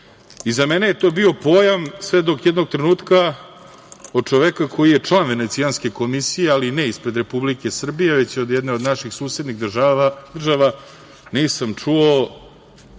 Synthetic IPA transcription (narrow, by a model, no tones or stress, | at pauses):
izamenejet̪o̞ːbio̞poːjamsʋe̞d̪o̞kjɛd̪no̞ɡ̚t̪ɾenuːt̪ka | od̪̚t͡ʂoʋekakʰo̞jijet͡ʂlˠaːnʋe̞net̪sijanske̞ko̞misijealineispɾe̞d̪ɾe̞publike̞sr̩bije̞ʋe̞t͡ɕod̪jɛd̪ne̞o̞d̪naʃixsuːsed̪nixd̪r̩ʒaʋa | niːsamt͡ʂuo